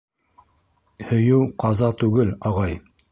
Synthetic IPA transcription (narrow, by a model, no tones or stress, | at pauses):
hɵ̆jɘwqɑzɑt̪ʉɡɘlɑʁɑj